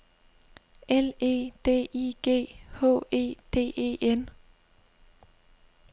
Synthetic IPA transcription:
ɛle̝̰ːd̪̥ḛːʔiːɡ̥ḛːho̰ːʔe̝̰ːt̪ʰḛːʔe̝̰ːʔen

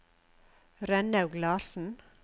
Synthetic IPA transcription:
ɾɛnɑʉɡlɑːɾsn̩

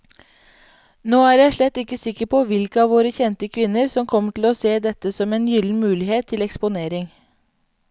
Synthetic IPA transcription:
noːæːɾjæɪʂɭɛt̪ːɪkːəsɪkəpʰoːʋɪlkəɑːʋoːɾəçɛnt̪əkʰʋɪnːəɾsɔmkʰɔmːəʈʰɪl̩oːseːd̪ɛt̪ːəsɔmeːnjʏln̩mʉːlɪheːt̪ʰːɪlɛkspʊneːɾɪŋ

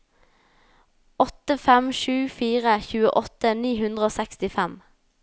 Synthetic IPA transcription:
ɔt̪əfɛmʃʉːfiːʁəçʉːəʔɔt̪əniːhʉnd̪ʁəoːsɛkst̪ɪfɛm

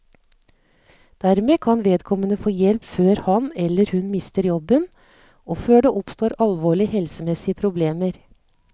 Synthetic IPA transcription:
d̪̥æɾmeːkʰɑnʋeːd̪kʰɔmənəfoːjɛlpføːɾhɑnɛlːəɾhʉnmɪst̪əɾjɔbən | ʔoːføːɖeːʔɔpst̪oːɾɑlʋoːɭɪhɛlsəmɛsɪəpʰɾʊbleːməɾ

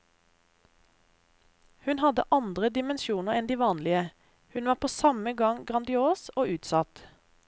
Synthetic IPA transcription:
hʉnhɑd̪ə̰ʔɑnd̪ʁəd̪ɪmɛnʃuːnəʁɛnd̪iːʋɑːnlɪə | hʉnʋɑːpʰoːsɑməɡɑŋɡʁɑnd̪ɪoːsoːʉːt̪sɑt̪

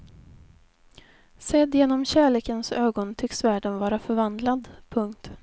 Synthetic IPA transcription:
sɛd̪jeːnɔmɕæːɭeːkənsøːɡɔnt̪ʰʏksvæːɖənvɑːɾafœɾvand̪lad̪pʰɵŋkt̪

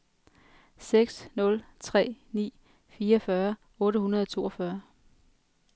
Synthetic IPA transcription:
seɡ̥snɔ̽lt͡sʰʁɛ̰ːnḭː | fiːɐfɶːɐ | ɔ̽ːɾəhunɐð̞ˠɒ̽t͡sʰo̝ːɒfɶɐ

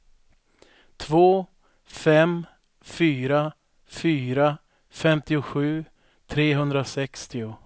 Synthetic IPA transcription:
t̪ʰvoː | fɛm | fyːɾa | fyːɾa | fɛmt̪ɪʊɧʉ̟ː | t̪ʰɾeːɦɵnd̪ɾasɛkst̪ɪʊ

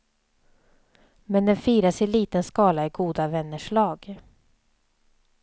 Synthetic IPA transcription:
mɛnd̪ɛnfiːɾasɪliːt̪ənskɑːlaɪɡuːd̪avɛnːəʂɭɑːɡ

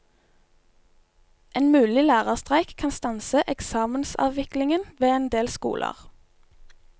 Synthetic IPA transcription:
ʔeːnmʉːlɪlæːʁəʁst̪ʁæɪkkʰɑnst̪ɑnsəʔɛksɑːmənsɑ̰ːʋʋɪklɪŋənʋeːeːnd̪eːlskṵːlʔə̰ʁ

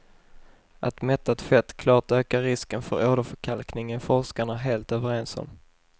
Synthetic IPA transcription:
ʔat̪mɛt̪ːat̪fɛt̪kʰlɑːʈøːkaɾɪskənfœ̰ɾʔoːd̪əfœkʰalknɪŋənfɔɾʂkaɳaɾɦeːlt̪øːvəɾeːnsɔ̰m

